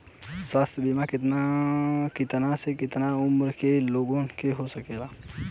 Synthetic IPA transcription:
swaːst̪ʰəbimakɪt̪nakɪt̪ɐnasekɪt̪naʊmɾkeloːɡõnkeɦosɐkeːlaː

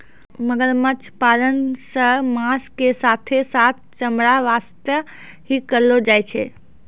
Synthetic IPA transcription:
məɡəɾmət͡ʃʰpalənsəmaskesat̪ʰesat̪̚ʰt͡ʃəmɾaʋast̪jə | ɦikəɾlod͡ʒajt͡ʃʰɛ̰

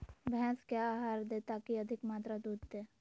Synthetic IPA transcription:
bʱɛskjaːaːɦaːɾd̪eːt̪akiɐd̪ʱɪkmaːt̪ɾad̪uːd̪̚t̪eː

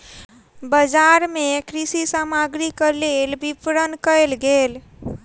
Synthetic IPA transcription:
bəd͡ʒaɾmekɾisisamaɡɾikəlelbipɾənkəlɡel

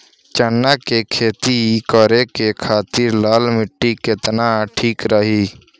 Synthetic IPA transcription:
t͡ʃənːakekʰeːt̪ikəɾekekʰaːt̪ɪɾlaːlmɪʈːikɪt̪naʈʰiːkɾəɦiː

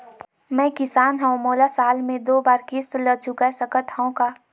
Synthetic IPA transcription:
mɛ̃ːkɪsaːnɦəõmoːlasaːlmẽd̪oːbaːɾkɪst̪lət͡ʃʊkasəkət̪ɦə̃õkaː

